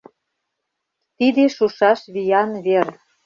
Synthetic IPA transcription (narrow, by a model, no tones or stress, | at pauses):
t̪id̪eʃuʃɑʃβijɑnβer